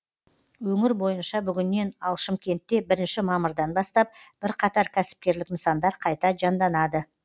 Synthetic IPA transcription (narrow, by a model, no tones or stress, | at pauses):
wɵŋɪɾbo̞jənʃɑbʏɡʲɪnːe̞nɑlˠʃɪmkʲe̞nt̪ːe̞bɪɾɪnʃɪmɑməɾd̪ɑnbɑst̪ɑp̚b̥ɪɾqʰɑt̪ɑɾkʲʰæsɪ̥p̚kʲe̞ɾlɪkməsɑnd̪ɑɾqʰɑjt̪ɑʒɑnd̪ɑnɑd̪ə